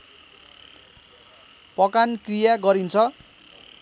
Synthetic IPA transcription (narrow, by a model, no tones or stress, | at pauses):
pʌkankrijaɡʌɾint͡sʰʌ